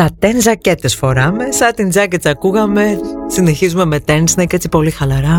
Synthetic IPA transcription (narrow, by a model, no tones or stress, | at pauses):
t̪ɐt̪enzɐcet̪esfo̞ɾɐme̞sɐt̪ind͡zɐcet͡sɐkuɣɐme̞sine̞çizume̞me̞t̪e̞nsineicet͡si̥po̞lixɐlɐɾɐ